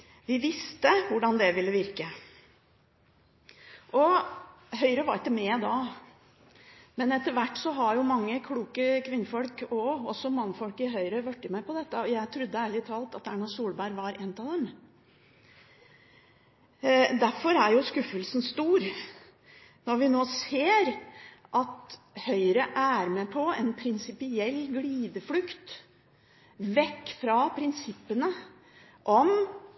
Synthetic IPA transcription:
ʋɪʋɪst̪əʋʊɖɑnd̪ɛʋɪlːəʋɪɾkə | ʔɔ | ɦœʏɾəʋɑɾɪk̪ːəmɛd̪ɑ | mɛnɛt̪ːəɾʋæʈːsɔɦɑɾjʊmɑŋːəkʰluːkəkʰʋɪnːəfɔlkɔɔsɔmɑŋːəfɔlkɪɦœʏɾəʋœʈːɪmæɪpɔd̪ɛt̪ːəɔjæɪt̪ʰɾʉd̪ːəæːɾɭɪt̪ʰɑːlt̪ɑt̪æɳɑsuːlbæɾʋɑɾʔɛnt̪ɑʋd̪ɛm | d̪æɾfɔɾæɾjʊskʉfːəlsn̩st̪uːɾ | nɔɾʋɪnoːseːɾʔɑt̪ | hœʏɾəʔæɾmɛpʰɔɛnpʰɾɪnsɪpɪɛlːɡliːd̪əflʉkt̪ | ʋɛkːfɾɑpʰɾɪnsɪpːənə | ʔɔm

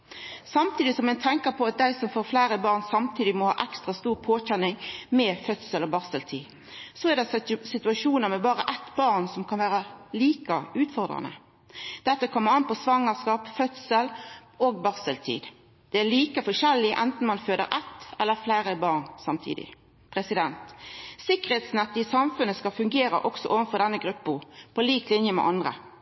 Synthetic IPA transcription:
sɑmt̪ʰiːd̪ɪsɔmɛt̪ʰɛŋkəɾpʰɔɑt̪̚d̪æɪsɔmfoːɾflæɪɾəbɑːʁnsɑmt̪ʰiːd̪ɪmɔhɑ̰ːʔɛkst̪ʁɑst̪uːʁpʰoːçɛnɪŋmɛfœt̪səlɔbɑʁsəlt̪ʰḭː | sɔɛʁd̪ɛsɪt̪ʉɑʂuːnəɾmɛbɑːʁəʔɛt̪bɑʁnsɔmkʰɑnʋæːʁɑliːkɑʉːt̪fɔʁd̪ɾɑ̰nə̰ | d̪̥ɛt̪ːəkʰɔmːəɑnpʰɔsʋɑŋːəʁskɑːpfœt̪səloːɡ̚bɑʁsəlt̪ʰḭːd̪ | d̪̥ɛæliːkəfɔʂɛlːɪʔɛnt̪n̩mɑnføːd̪ə̰ɾʔɛt̪ːɛlːəflæːɾəbɑːʁnsɑmt̪ʰḭːd̪ɪ̰ | pʰʁɛsɪd̪ɛnt̪sɪkːəɾet̪snɛt̪ːɪəsɑmfʉnːəskɑfʉŋɡeːɾə̰ʔɔksɔ̰ʔoːʋənfɔd̪ɛnːəɡɾʉpːəpʰɔliːklɪnjəmɛ̰ʔɑnd̪ʁə̰

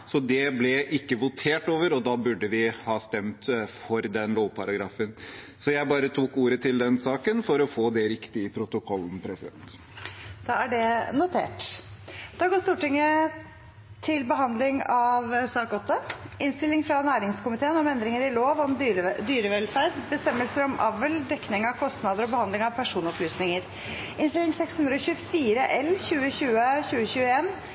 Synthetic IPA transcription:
sɔd̪ɛblɛʔɪkːəʋʊt̪ʰeːʈoːʋəɾɔd̪ɑːbʉɖəʋɪhɑːst̪ɛmt̪fɔɾd̪ɛnloːʋpʰɑɾɑɡɾɑːfən | sɔjæɪbɑːɾət̪ʰuːkuːɾət̪ʰɪld̪ɛnsɑːkənfɔɾɔfoːd̪ɛɾɪkt̪ɪɪpʰɾʊt̪ʊkʰɔlːn̩pʰɾɛsɪd̪ɛ̰nt̪ | d̪̥ɑːæɖɛnʊt̪ʰḛːʈ | d̪̥ɑːɡoːst̪uːʈɪŋːə | t̪ʰɪlbəɦɑnd̪lɪŋɑʋsɑːkɔt̪ːəʔɪnst̪ɪlːɪŋfɾɑnæːɾɪŋskʊmɪt̪ʰeːənɔmɛnd̪ɾɪŋəɾɪloːʋɔmd̪yːɾəʋɛlfæɾɖ̪bəst̪ɛmːəlsəɾɔmʔɑʋəld̪ɛkːnɪŋɑʋkʰɔst̪nɑd̪əɾɔbəhɑnd̪lɪŋɑʋpʰæʂuːnɔplyːsnɪŋəɾ | ʔɪnst̪ɪlɪŋsɛkshʉnd̪ɾəɔçʉfiːɾəʔɛlçʉːəɕʉːəçʉːəçʉːəeːn

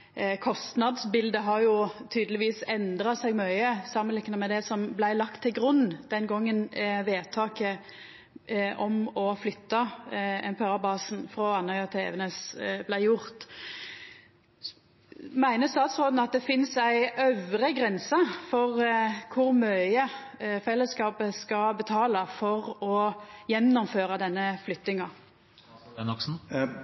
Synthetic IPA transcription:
kʰɔst̪nɑd̪sbɪld̪əɦɑɾjʊt̪ʰyːd̪əlɪʋiːsɛnd̪ɾɑsæɪɡmœʏəsɑmənɪkːnəmɛd̪ɛsɔmblæɪlɑkt̪ʰːɪlɡʁʉnːd̪̥ɛnɡɔŋːənʋeːt̪ʰɑːkə | ʔɔmɔflʏt̪ːɑɛmpɛɑːɾbɑːsn̩fɾɔɑnhœʏɑt̪ʰɛ̰ːʋənəsblæɪjʊʁt̪ | mæɪnəst̪ɑːt̪sʁoːd̪n̩ɑt̪̚d̪ɛfɪnsæɪœʋɾəɡɾɛnsɑfɔʁkʰʊɾmœʏəfɛlːəskɑːpəskɑbət̪ʰɑːlɑfɔʁɔjɛnːɔmføːɾɑd̪ɛnːəflʏt̪ːɪŋɑ | nɔksn̩

